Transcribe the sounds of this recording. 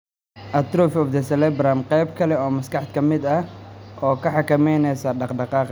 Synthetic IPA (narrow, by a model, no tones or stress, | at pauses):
ʔɐt̪ɾufɔfd̪ɛsɛlɛbɾɐmqɛjbkʰɐlɛɔːmɐskɑħt̪kʰɐmɪd̪ɐʔɔːkʰɐħɑkɐmɛjnɛjsɐɖɑqɖɑqɑːq